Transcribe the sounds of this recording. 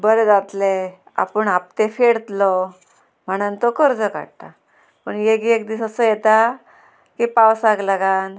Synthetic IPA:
bəɾd͡zat̪le | a̰pəɳap̚t̪efeɽt̪lɔ | m̤əɽ̃ənt̪ɔkəɾd͡zəka̰ɽt̪a | pəɳjeɡiekd̪isəsəːjɛt̪a | kipawsaɡlaɡan

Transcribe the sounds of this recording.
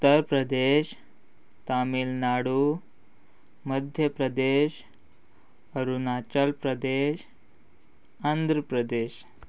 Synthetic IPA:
ut̪ːəɾpɾəd̪eɕ | t̪amilnaɽu | məd̪ʱjəpɾəd̪eɕ | əɾunat͡ɕəlpɾəd̪eɕ | and̪ʱɾəpɾəd̪eɕ

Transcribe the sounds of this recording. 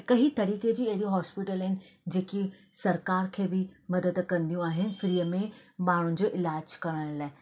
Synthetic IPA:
kɐɦit̪ɐɾiːked͡ʑiːɐɦɪɽiɦɔːspɪʈəlɦɪnɪ̆d͡ʑeːki | sɐɾkaːɾkʰeːbɪmɐd̪əd̪kɐ̃nd̪ijũaːɦɪnɪ̆fɾiːəmẽmaːɳ̤ʊnɪ̆d͡ʑoːʔɪlaːd͡ʑkɐɾə̃əɾlaːɪ

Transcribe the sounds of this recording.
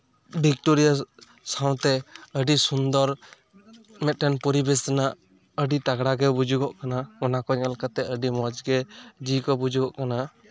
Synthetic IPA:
bʱikʈoɾija | saw̃t̪ɛəɖisund̪ɔɾ | mɛt̪̚ʈɛnpɔɾibɛsɛnaʔ | əɖit̪aɡɽaɡɛbud͡ʒuɡɔʔkanamɔnakɔɛlkat̪ɛəɖimɔd͡ʒɡɛd͡ʒikɔbud͡ʒuɡɔʔkana

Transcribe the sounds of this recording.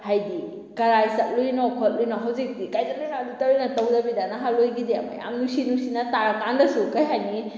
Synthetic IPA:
hajdi | kɐɾajsat̚lujnɔkʰɔt̚lujnɔɦawzik̚dikajtat̚lujnɔɐditaɾojnɐtawdɐbidanaɦalojɡideɐma̰ja̰mnusinusinataɾkandɐsukajɦajni

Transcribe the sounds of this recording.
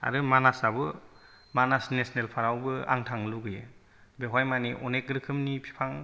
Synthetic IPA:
a̰ɾɯmanasabɯ | manasnesnelpʰaɾawbɯa̰ŋtʰaŋluɡɯjɯ | beɦajmaniʔɔnekɾɯkʰɯmnipʰi̥pʰaŋ

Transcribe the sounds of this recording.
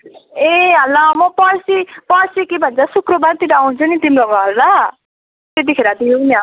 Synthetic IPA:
eɦʌlːʌmʌpʌɾsipʌrsikebʱʌnt͡sʰʌsukrobart̪iɾaw̃nt͡sʰunit̪imloɡʌɦʌllʌ | t̪et̪̬ikʰeɾʌt̪ijoknja

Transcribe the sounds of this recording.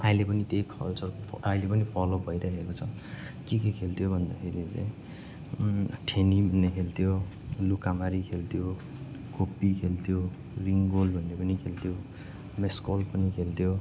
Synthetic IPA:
aĩlepʌnit̪ejkʰʌlt͡sʌrpailepʌnipʰʌlobʱʌjɾakʰekot͡sʰʌ | kekekʰelt̪ʰijobʱʌnd̪akʰeɾit͡sa̰j̃ | ʈʰenibʱʌnːekʰelt̪ʰijo | lukamaɾikʰelt̪ʰijo | kopːikʰelt̪ʰijo | riŋɡolbʱʌnːepʌnikʰelt̪ʰjo | meskolpʌnikʰelt̪ʰjo

